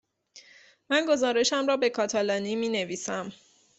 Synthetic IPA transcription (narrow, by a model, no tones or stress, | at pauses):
mænɡo̞zɒːɾe̞ʃæmɾɒːbe̞kʰɒːt̪ʰɒlɒːniːmiːne̞viːsæm